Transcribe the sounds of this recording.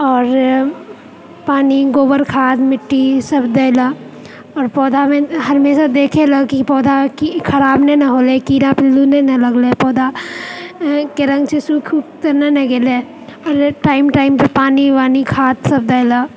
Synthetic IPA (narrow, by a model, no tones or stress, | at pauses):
ɔːɾ | paːniɡoːbəɾkʰaːt̪mɪʈːisɐbd̪ɐːla | ɔːɾpɔːd̪ʱamẽɦɐɾmeːsad̪eːkʰelɐɡkipɔːd̪ʱakikʰɐɾaːbnenɐɦoːlekiːɾapɪlːunenɐlɐɡlepɔːd̪ʱa | keɾə̃ŋɡt͡ʃʰesuːkʰukt̪ɐɾnenɐɡele | ɔːɾʈaːɪmʈaːɪmpepaːniʋaːnikʰaːt̪sɐbd̪ɐɪla